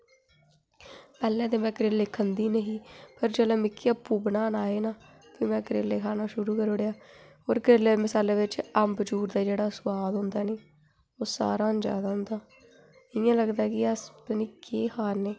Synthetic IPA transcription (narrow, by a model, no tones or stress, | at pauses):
pɛːlɛ̃ːt̪eːmɛ̃ːkəɾeːlekʰːənd̪iːnəɦĩːpəɾd͡ʒəlẽːmɪkʰːiːəpːuːbənaːnaːeːnaː | ʋiːmɛ̃ːkəɾeːleːkʰaːnaːʃʊɾuːkəɾʊɽejaːɦoːɾkɾeːleːmɪsaːleːʋɪt͡ʃəmbd͡ʒuːɾd̪aːd͡ʒeːɽaːsʊwaːd̪ɦʊ̃nd̪aːneː | oːsa̰ːɾaːnd͡ʒa̰ːd̪aːɦʊnd̪aː | ɪjãːləɡd̪aːkɪəsəniːkeːhaːɾneː